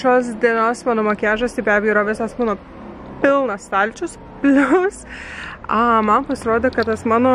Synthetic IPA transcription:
ʃoːs̬d̪ʲiɛnoːsmɑːnoːmoːkʲæːʒɐst̪ɪbʲæːbʲɛjiːɾɐʋʲɪsɐsmuːno | pʲɪlˠnɐst̪ɐlʲt͡ʃʲʊs | pʲlʲʊs | ɐmɐnpɐsʲɪɾoːd̪ʲekɐt̪t̪ɐsmɑːno

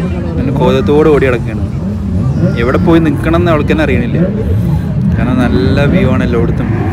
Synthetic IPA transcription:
nɐnːko̞ːðɐt̪ːoːɽeoːɽiɐɽɐkːeːɳɐ | eʋiɽepoːjinikːɐɳɐ̃enːɐʋɐɭkːenːeɐrijɐɳilːɐ | kaːnɐnɐlːɐʋiʋaːɳelːoːʋiɽut̪ːum

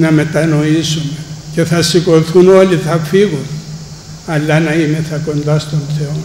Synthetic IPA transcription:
namet̪ːanoisunkeθasikoθunoliθʰafikuθ | alːanaimeθakond̪ast̪ont̪ʰeo

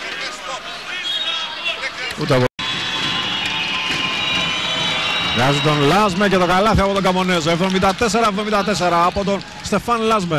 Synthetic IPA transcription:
ut̪eɐpo | vɣɐzit̪o̞nlɐzmecet̪oɡɐlɐθiɐpo̞t̪oɡɐmonezoevðo̞mind̪ɐt̪e̞seɾɐevðo̞mĩnd̪ɐt̪es̬eɾɐːpot̪̬o̞n | st̪e̞fɐnlɐzme

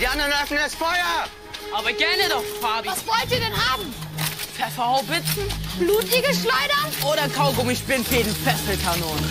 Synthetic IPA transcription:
d̥iːandɐʁənœfn̩ɛsfɔjɐ | ʔaːbɐɡɛnɛdɔfaːbvasvɔltiːɐdɛnhaːbm̩fɛfaoʊbɪsn̩b̥luːtiɡəʃlɔɪdɐʔoːɾɐkʰaʊɡʊmɪçb̥ɪnfjeːdn̩fɛstəlkʰanoːn

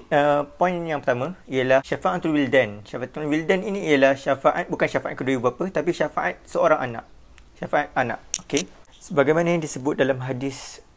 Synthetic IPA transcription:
əpɔ̃injaŋpərt̪amãijalahʃafaʔat̪ɾuwildɛnʃafat̪ɔnwildɛninĩijalahʃafaʔat̪̚bukanʃafaʔa̰t̪̚kəduibapət̪apiʃafaʔat̪̚səoɾaŋʔa̰nã̰ʔ̚ | ʃafaat̪̚anã̰ʔ̚oke | səbaɡajmãnãjaŋdisəbʊt̪̚dalamɦadɪs

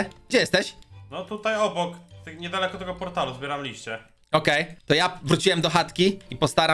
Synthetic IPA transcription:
ɡd͡ʑɛjɛst̪ɛɕnɔt̪ut̪ajɔbɔkt̪ɛɲɛd̪alɛkɔt̪ɛɡɔpɔɾt̪aluzbʲjɛɾamlʲiɕt͡ɕɛ | ɔkɛjt̪ɔjavɾut͡ɕiwɛmd̪ɔxat̪kʲiipɔst̪aɾa

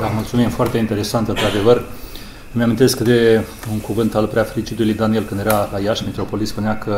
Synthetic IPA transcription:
d̪amult̪sumimfoart̪e̞int̪e̞ɾe̞sant̪ɨnt̪ɾad̪e̞vər | meamʲint̪e̞skɨt̪e | uŋkuvɨnt̪alpɾeafeɾit͡ʃit̪ulujd̪anie̞lkɨnd̪jeɾalajaʃmet̪ɾo̞po̞lispuneakə

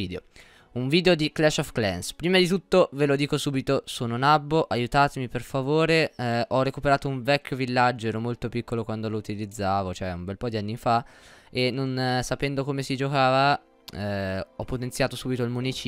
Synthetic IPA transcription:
iːd̪eo | uɱviːd̪eod̪iklɛʃɔfklɛ̰nspɾiːmad̪it̪ut̪ːovelod̪iːkosuːbit̪osoːnonabːoʔajut̪aːt̪emiperfavoːɾeʔɔrːekupeɾaːt̪ouɱvɛkʲːovilːad͡ʒːoɛːɾomolt̪opikːolokwand̪olout̪ilid̪zːaːvot͡ʃoɛumbɛlpɔd̪ianːifaenːonsapɛnd̪okomesid͡ʒokaːva | ɛɔpːot̪ent̪sjaːt̪osuːbit̪oilmunit͡ʃː

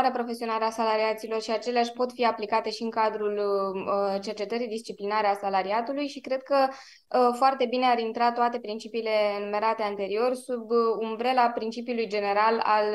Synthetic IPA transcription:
ɾeapɾo̞fe̞sio̞naɾeasalaɾiat̪silo̞rʃiat͡ʃe̞leaʃʲpo̞t̪fiaplikat̪e̞ʃiɨŋkad̪ɾulət͡ʃe̞rt͡ʃe̞t̪əɾijd̪ist͡ʃiplinaɾeasalaɾiat̪ulujʃikɾe̞d̪̥̚kə | foart̪e̞bine̞aɾint̪ɾat̪oat̪e̞pɾint͡ʃipiːle̞ɨnume̞ɾat̪e̞ant̪e̞ɾio̞rsubunbɾe̞lapɾint͡ʃipiulujd͡ʒe̞ne̞ɾala̰l

